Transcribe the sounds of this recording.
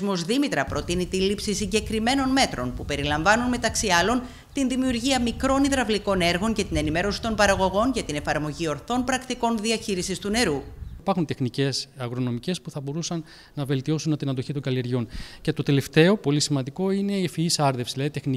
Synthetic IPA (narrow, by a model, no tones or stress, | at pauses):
zmo̞zðimit̪ɾɐpɾot̪init̪ilipsisiɲɟe̞kɾime̞no̞nme̞t̪ɾo̞npupe̞ɾilɐɱvɐnunme̞t̪ɐksiɐlo̞n | t̪inðimiuɾʝiɐmikɾo̞niðɾɐvliko̞ne̞ɾɣo̞ɲce̞t̪ine̞nime̞ɾo̞si̥t̪o̞npɐɾɐɣo̞ɣo̞nʝɐt̪ine̞fɐɾmo̞ʝio̞ɾθo̞npɾɐkt̪iko̞nðiɐçiɾisist̪une̞ɾuipɐɾxunt̪e̞xnice̞sɐɣɾo̞no̞mice̞spuθɐbo̞ɾusɐnː | ɐve̞lt̪io̞sunɐt̪inɐnd̪o̞çit̪o̞ŋɡɐlie̞ɾʝo̞nce̞t̪o̞t̪e̞left̪e̞o̞po̞lisimɐnd̪iko̞ine̞ifiisɐɾðefsizlɐðit̪e̞xni